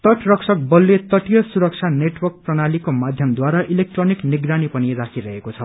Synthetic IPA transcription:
t̪ʌʈrʌksʰʌk̚bʌlːet̪ʌʈijʌsuɾʌk̚t͡sʰaneʈwʌrk̚prʌnalikomad̪ʱjʌmd̪waɾaʔilek̚ʈronikniɡranipʌniɾakʰiɾʌɦekot͡sʰʌ

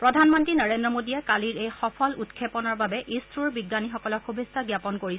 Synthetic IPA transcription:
pɹɔdʱanmɔntɹinɔɹendɹɔmodiɛkaliɹejxɔpʰɔlutkʰːepɔnɔɹbabɛʔistɹuɹbiɡːanixɔkɔlɔxubʱestaɡjapɔnkoɹi

